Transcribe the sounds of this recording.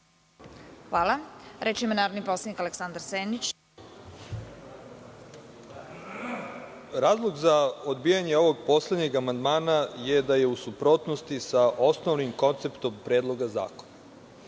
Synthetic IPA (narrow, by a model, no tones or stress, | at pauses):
xʋaːlˠaɾet͡ʃimonaːɾod̪nipɾo̞slˠed̪nikaleksand̪aɾseːnit͡ɕ | ɾaːzlˠoɡzaod̪biːjaɲeoʋo̞ɡ̚po̞sled̪ɲe̞ɡamand̪maːnaje̞d̪aje̞usupɾo̞ːt̪nost̪isaʔo̞snoʋnimko̞nt̪se̞pt̪o̞mpɾe̞ːd̪lˠo̞ɡaza̰ːkona